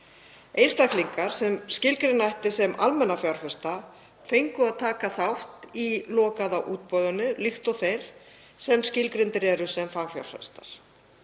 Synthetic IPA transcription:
ejnst̪akliŋkaɾ̥sɛmscɪlkɾɪnːajht̪ɪsɛmʔa̰lmɛnːafjawɾ̥fɛ̥st̪a | fejŋkʏaðt̪ʰaːkaθawht̪ilɔːkaðawʔuːt̪̚pɔðʏnːʏlixt̪ɔɣθejɾ̥ | sɛmscɪlkɾɪnt̪ɪɾɛːɾʏ̥sɛmfaːɣfja̰wɾ̥fɛ̰̥st̪aɾ̥

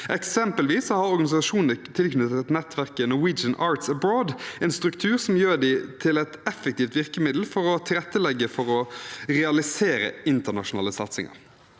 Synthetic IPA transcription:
ʔɛksɛmpəlʋiːsːɔhɑɾɔɾɡɑnɪsɑʂuːnt̪ʰːɪlknʉt̪ɛt̪nɛt̪ʰʋæʁkənʊwiːd͡ʒənʔɑːɾt̪səbɾoːd̪ɛːnst̪ɾʉkt̪ʰʉːʁsɔmjøːd̪ɪt̪ʰɪlɛt̪ɛfɛk̚t̪iːft̪ʋɪʁkəmɪd̪l̩fɔɾɔt̪ʰɪlɾɛt̪ːəlɛɡːəfɔʁɔʁɛɑlɪseːɾə̰ɪnt̪əʁnɑʂʊnɑ̰ːləsɑt̪sɪ̰ŋɑ̰ɾ

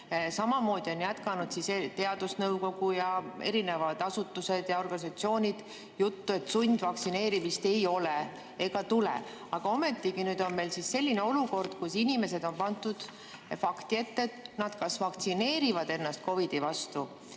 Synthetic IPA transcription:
sɑmɑmo̞ːd̪̥io̞njæt̪kɑnud̪sist̪e̞ɑd̪usnɤwko̞ɡ̥ujɑe̞̰ɾine̞vɑd̪̥ɑsut̪ːuse̞d̪̥jɑo̞rɡ̥ɑnis̬ɑt̪sio̞ːnʲid̪̥ | jut̪ːue̞t̪ːsunʲd̪̥vɑkt̪sine̞ːɾimist̪e̞jo̞le | e̞ɡ̥ɑt̪ulḛ | ɑɡ̥ɑo̞me̞t̪ːˑikinyːd̪̥o̞nme̞jlsisse̞lʲːineo̞luko̞rd̪̥kusinʲime̞se̞d̪o̞npɑnt̪ːˑud̪̥ | fɑkt̪ie̞t̪ːet̪nɑd̪̥kɑsvɑkt̪sine̞ːɾivɑd̪̥e̞nːɑst̪̚ko̞vid̪̥ivɑst̪u

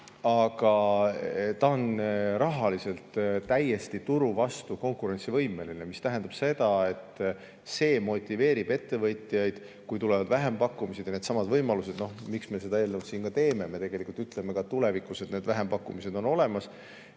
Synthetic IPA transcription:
ɑɡ̥ɑ | t̪ɑonɾɑɦɑlise̞lt̪t̪æjːe̞st̪it̪uɾuvɑst̪uko̞ŋkˑuɾe̞nt̪sivɤjme̞linemist̪æɦend̪ɑb̥se̞d̪ɑe̞t̪ː | se̞ːmo̞t̪ʲːˑive̞ːɾib̥e̞t̪ːe̞vɤt̪ˑijɑjd̪̥ | kujt̪ule̞vɑd̪væɦe̞mpɑkːˑumised̥̪jɑned̪sɑmɑd̪vɤjmɑluse̞d̪̥no̞hmiksme̞se̞d̪̥ɑe̞ːlnewt̪siːnkɑt̪e̞ːme̞me̞t̪e̞ɡe̞likult̪yt̪ˑle̞me̞kɑt̪ule̞vikˑuse̞d̪ne̞ːd̪væɦempɑkːˑumise̞d̪̥o̞no̞le̞mɑs

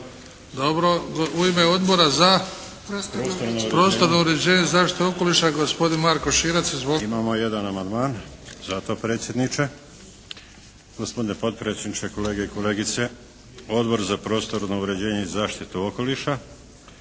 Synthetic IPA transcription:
d̪o̞bɾo̞ɡuime̞o̞d̪boɾaza | ost̪onopɾo̞st̪o̞ɾnouɾe̞d͡ʑe̞ːɲeizaːʃt̪i̥t̪eoko̞liʃaɡo̞spo̞d̪inmaɾkoʃiɾatsizboimamoje̞d̪anamand̪maːnzat̪o̞pɾe̞ːt̪sjed̪nit͡ʃe | ɡ̥ospod̪inepo̞t̪̚pɾesʲenit͡ʃeko̞le̞ːɡeiko̞le̞ːɡit̪se | o̞d̪bo̞ɾzapɾo̞ːst̪o̞ɾnouɾe̞d͡ʑe̞ːɲeizaːʃt̪it̪uoko̞liʃa

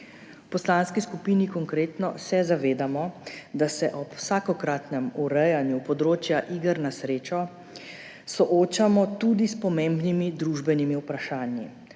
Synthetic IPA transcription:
pɔslanskiskupinikɔŋkɾeːt̪nɔsɛzaʋeːd̪amɔd̪asɛʔɔpwsaːkɔkɾat̪nɛmuɾɛjanjupɔd̪ɾoːt͡ʃjaʔiɡəɾnasɾeːt͡ʃɔ | sɔʔoːt͡ʃamɔt̪uːd̪ispɔmeːmbnimid̪ɾuʒbɛnimiupɾaʃaːnji

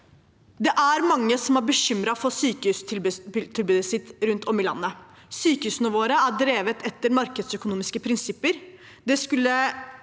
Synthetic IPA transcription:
d̪ɛʔæɾmɑŋːəsɔmæɾbəɕʏmɾɑfɔsyːkəʉst̪ʰɪlbʉːd̪əsɪt̪ɾʉnt̪ʰɔmːɪlɑ̰nːə | syːkəhʉːsnəʋoːɾəæɖɾeːʋət̪ʰɛt̪ːəɾmɑɾkəd̪sœkʊnuːmɪskəpʰɾɪnsɪpːəɾ | d̪ɛskʉlːə

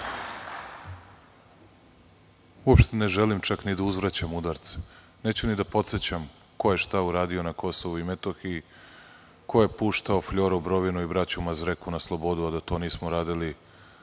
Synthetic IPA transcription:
uopʃt̪eneʒelimt͡ʃaknid̪auzvɾat͡ɕamud̪aɾt̪se̥ | neːt͡ɕunid̪apo̞t̪se̞t͡ɕam | ko̞je̞ʃt̪auɾaːd̪io̞nako̞soʋuimet̪oxi | koje̞puːʃt̪aofʎoɾobɾo̞ʋinuibɾat͡ɕumazɾekunaslˠo̞bo̞d̪uad̪at̪o̞ːniːsmoɾaːd̪ili

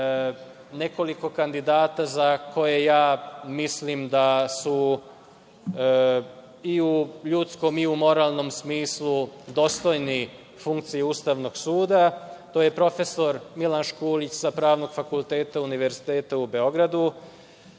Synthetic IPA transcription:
ne̞ko̞liko̞kand̪id̪aːt̪azakʰo̞jejaːmislimd̪asu | iuʎut̪sko̞miumo̞ɾaːlˠno̞msmiːslˠud̪o̞st̪o̞jni | fuŋk̚t̪sijeust̪aʋno̞ɡsuːd̪at̪o̞ːje̞pɾo̞fe̞so̞ɾmilanʃkuːlit͡ɕzapɾaːʋno̞ɡ̥fakulˠt̪e̞ːt̪auniʋe̞ɾzit̪eːt̪aube̞o̞ɡɾad̪u

